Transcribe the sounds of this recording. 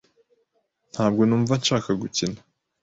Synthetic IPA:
n̥haːb̚ɡo̞nuːɱvanʃaːkaɡucina

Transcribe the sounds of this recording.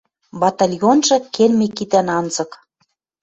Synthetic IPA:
bɑt̪ɑlʲjonʒɤ̆kelmekit̪ænɑnzɤ̆k

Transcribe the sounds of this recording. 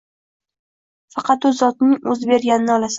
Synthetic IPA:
fɑqʰɑt̪ʊzɒt̪nɪŋɵzbe̞ɾɡʲanɪnɪɒlasa

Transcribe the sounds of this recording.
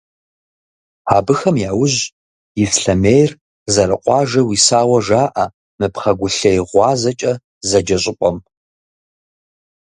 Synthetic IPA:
aːbɨxɐmjaːwʊʑ | jɪsɬɐmeːjr | zɐɾɨqʷʼɑːʒɐwiːsaːwɐʒaːʔɐ | mɨpχɐɡʷʊɬɐjʁʷɑːzɐt͡ʃʼɐ | zɐd͡ʒɐɕʼɪpʷʼɔm

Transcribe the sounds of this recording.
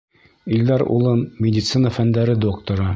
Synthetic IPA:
ild̪ɑɾṵlˠɤnmʲɪdʲɪt̪sɨnəfænd̪æɾɘd̪okt̪ŏɾɤ

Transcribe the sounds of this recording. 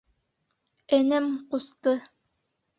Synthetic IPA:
ænæmqust̪ɤ

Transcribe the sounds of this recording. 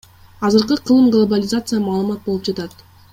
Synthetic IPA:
ɑzɯɾqɯqʰɯlˠɯmɡlˠobalʲɪzat̪sɨjamɑːlˠɯmɑt̪̚bo̞lˠupd͡ʒɑt̪ɑt̪

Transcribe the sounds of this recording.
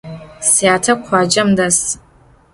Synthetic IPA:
sjaːtʰɐkʷʰaːd͡ʒɐmdas

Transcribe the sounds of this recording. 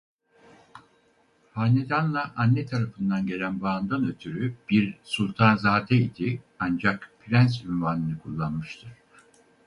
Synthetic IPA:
haːned̪anlˠaʔanːɛt̪ʰaɾafɯnd̪anɟe̞lʲænbaːnd̪anø̞t̪ʰyɾyb̥iɾsulʲˠt̪ʰanzaːd̪ɛid̪̥i | and͡ʒakpɾʲænsynvanɯnɯkʰulˠːanmɯʃt̪ʰɯɾ̥

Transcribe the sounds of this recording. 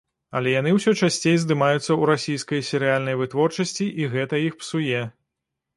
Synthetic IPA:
ɐ̰lʲɛjan̪ɨwsʲɔt͡ʂasʲt͡sʲejzd̪ɨmajut̪sːɐuɾasʲijskɐjsʲɛɾɨjalʲnɐjvɨt̪vɔrt͡ʂɐsʲt͡sʲiʔiɣɛt̪ɐjixpsujɛ

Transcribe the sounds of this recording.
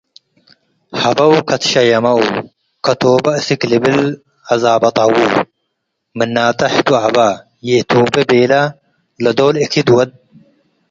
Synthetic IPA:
hɐbɐwkʰɐt̪ʃɐjɐmɐw | kɐt̪oːbɐɨsiklibɪl | ʕazaːbɐt̪ˤɐwu | mɨnːaːt̪ɐħd̪uʕabɐ | jeːt̪ʰoːbɐbeːlɐ | lɐd̪oːlikʰid̪wɐd̪̚

